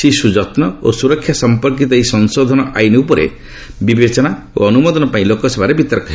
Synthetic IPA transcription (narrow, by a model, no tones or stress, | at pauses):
sisud͡ʒɔt̪nɔosuɾɔkʰːjasɔmpɔɾk̬it̪ɔisɔnsod̪ʱɔnɔʔajneupɔɾḛ | bibet͡ʃɔna | o̰ɔnumɔd̪ɔnɔpaĩlokɔsebʱaɾebit̪ɔɾkɔɦe